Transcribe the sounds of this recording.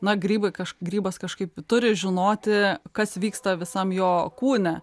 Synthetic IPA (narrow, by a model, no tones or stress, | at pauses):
nɐɡɾʲiːbɐɪkɐʃɡɾʲiːbɐskɐʃkɐɪpt̪ʊɾʲɪʒʲɪnoːt̪ʲɪkɐsʋʲiːkst̪ɐʋʲɪsɐmjoːkuːnʲɛ